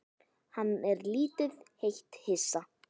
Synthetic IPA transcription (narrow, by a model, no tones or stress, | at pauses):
hanːɛɾliːt̪ʏðhejht̪hɪsa